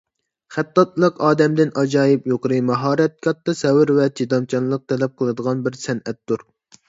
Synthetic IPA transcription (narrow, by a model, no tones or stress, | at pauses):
χæt̪ːɑt̪lˠəqɑːd̪ɛmd̪ɪnɑd͡ʒɑːjipjoqəɾɨmɑɦɑːɾɛt̪̚kʲʰɑt̪ːɨsɛwɪɾvɛt͡ʃʰid̪ɑmt͡ʃʰɑnlˠəq̚t̪ʰɛlɛp̚qʰəlˠɨd̪əʁɑnbɪɾsɛnɛt̪ːuɾ